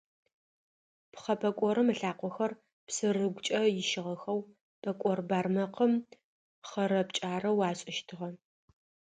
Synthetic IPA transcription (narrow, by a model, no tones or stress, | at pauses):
pχɐpʼɐkʷʼɔɾɨmɨɬaːqʷɔxɐr | psɨrɨɡʷt͡ʃʼɐjɪʃɪʁɐxɐw | pʼɐkʷʼɔrbaːrmɐqəm | χɐɾɐpt͡ʃʼaːrɐwaːɕʼɪʃtʰɨʁɐ